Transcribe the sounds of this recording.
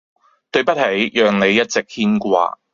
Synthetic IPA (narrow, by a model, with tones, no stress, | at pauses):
t̪ɵ˧ɥpɐ˥t̚hɐ˨˥jjœː˨ŋne˨˧jːɐ˥t̚t͡sɪ˨k̚hiː˥nkʷa̰ː˧